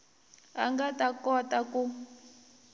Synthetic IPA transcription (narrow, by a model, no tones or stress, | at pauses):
a̰ŋɡatakɔtaku